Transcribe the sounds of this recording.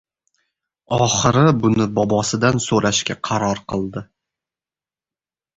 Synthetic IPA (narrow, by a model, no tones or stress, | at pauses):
ɒχɨɾɪbʊnɪbɒbɒsɪd̪ansoɾaʃkʲaqʰɑɾɒɾqʰɨlˠd̪ɪ